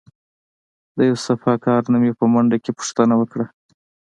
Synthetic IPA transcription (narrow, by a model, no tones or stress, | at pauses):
d̪əjawsafɑkɑɾnamepəmaɳɖakepʊ̥ʂt̪ənawəkɽa